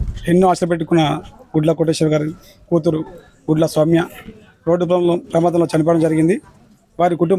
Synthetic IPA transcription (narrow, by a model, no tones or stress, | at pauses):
enːuːaːʃɐɾɐp̬eʈːukunːɐɡuɖlɐkoʈ̬eːʃɐɾɡaːɾi | kuːt̪̬uɾu | ɡuɖlɐsʋɐmjɐ | ɾo̞ːɖːup̬ulɐmloːpɾɐmaːd̪ɐmloːt͡ʃɐnipɐːɽɐmd͡ʒɐɾiɡind̪i | ʋaːɾikuʈum